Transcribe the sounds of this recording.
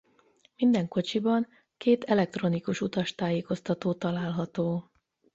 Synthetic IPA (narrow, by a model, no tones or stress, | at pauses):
mind̪ɛŋko̞t͡ʃibɒŋ | keːt̪ɛlɛk̚t̪ro̞nikuʃut̪ɒʃt̪aːjeːko̞st̪ɒt̪oːt̪ɒlaːlɦɒt̪oː